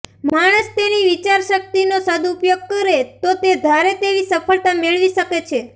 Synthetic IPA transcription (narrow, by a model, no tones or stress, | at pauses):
maɽ̃əst̪eniʋit͡ʃaɾʃək̚t̪inosəd̪uːpjoɡ̚kəɾet̪ot̪ed̪ʱaɾet̪eʋisəpʰəɭt̪ameɭʋiʃəket͡ʃʰe